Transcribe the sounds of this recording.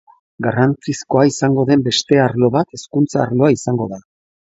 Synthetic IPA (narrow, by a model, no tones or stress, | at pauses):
ɡarant͡sisko̞aisaŋɡo̞ðe̞mbe̞st̪e̞aɾlo̞βat̪e̞skunt͡saːɾlo̞aisaŋɡo̞ða